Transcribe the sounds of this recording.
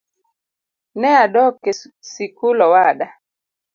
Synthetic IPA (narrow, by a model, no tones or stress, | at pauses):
nɛaɗɔkesikulɔwaɗa